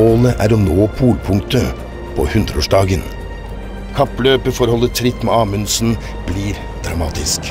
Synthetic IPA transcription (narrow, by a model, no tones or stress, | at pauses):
oːləʔæːɾɔnoːpʰuːlpʰʊŋt̪ə | pʰo̰ːhʉnd̪ɾəoːʂɖɑːɡən | kʰɑpløːpəfɔɾhɔlːəʈʰɾɪt̪ːmeːɑːmʉnsn̩ | b̥liːɾ | d̪̥ɾɑmɑːt̪ɪsk